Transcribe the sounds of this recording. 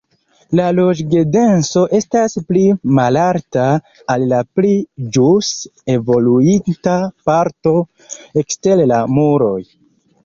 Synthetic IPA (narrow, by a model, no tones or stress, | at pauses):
lalo̞d͡ʒɡede̞nso̞ʔe̞stasplimalaɾtaː | lːaplid͡ʒuse̞vo̞luintapaɾto̞ | e̞kste̞llamuɾo̞̰j